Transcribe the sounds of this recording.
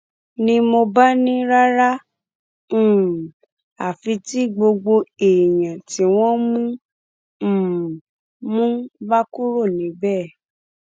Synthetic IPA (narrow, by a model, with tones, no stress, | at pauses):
nĩ˧˦mo˧ba˦nĩ˦ɾa˦ɾã˦˨ | a˨fi˧˦ti˦ɡ͡bo˧ɡ͡bo˧e˨jã˨ti˨˦w̃ɔ̃˦mũ˦˨ | mũ˦ba˦ku˦ɾo˦˨nĩ˨˦bɛ˦˨